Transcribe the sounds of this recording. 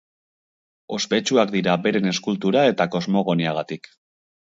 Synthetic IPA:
o̞spe̞t͡ʃuakd̪iɾabe̞ɾe̞ne̞skult̪uɾae̞t̪ako̞zmo̞ɣo̞niaɣ̞at̪ik

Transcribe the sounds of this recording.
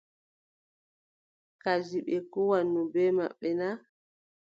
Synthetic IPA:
kad͡ʒiɓɛkɔwanːɔbɛma̰ɓːɛna

